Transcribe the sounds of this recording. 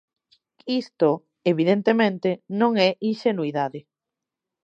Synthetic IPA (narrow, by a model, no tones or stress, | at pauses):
ist̪o | eβiðent̪emẽnt̪enõŋɛʔinʃenuiðaðɪ